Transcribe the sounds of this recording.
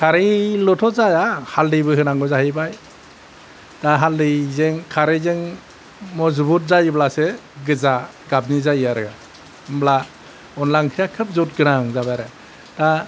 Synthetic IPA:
kʰaɾelɔtʰɔzajahaldɯjbɯɦɯnaŋɡɔzahɯjbaj | taɦaldɯjzeŋkʰaɾezeŋ | mɔzubut̚zajblaseɡɯza | ɡab̚nizajiaɾɯɡa | mbla | ɔnlaŋkʰijakʰɯp̚zɔt̚ɡɯɾaŋzabaɾɯ | ta

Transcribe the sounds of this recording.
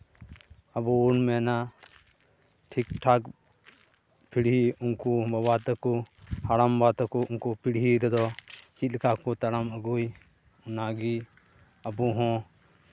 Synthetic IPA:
abuunmɛna | ʈʰik̚ʈʰak | pʰiɽɦiunkubabat̪ɛkɔhaɽambat̪ɛkɔunkupʰiɽɦiɾɛd̪ɔt͡ʃit̪̚lkakɔt̪aɽaməɡuj | unaɡi | abuɦɔ̃

